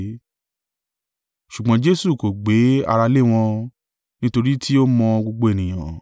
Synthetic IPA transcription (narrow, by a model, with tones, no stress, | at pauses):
ʃu˨ɡ͡bɔ̃˨˦d͡ʒe˦su˦˨ko˨ɡ͡be˨˦a̰˧ɾa˧le˦˨w̃ɔ̃˧ | nĩ˦to˧ɾi˦tʰi˦o˦mɔ̃˧ɡ͡bo˧ɡ͡bo˧e˨nĩ˨j̃ã̰˨